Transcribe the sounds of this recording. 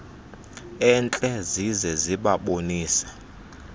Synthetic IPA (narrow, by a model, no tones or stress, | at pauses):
ɛnt͡ɬʼɛzizɛziɓaɓoniːsɛ̥